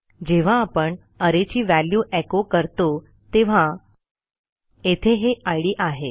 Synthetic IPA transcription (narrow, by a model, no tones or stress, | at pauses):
d͡ʑeʋ̤aːpəɳ | əɾet͡ɕiːʋæljuːʔɛkokəɾt̪o | t̪eʋ̤a | et̪ʰeɦeʔajɽiːʔaɦe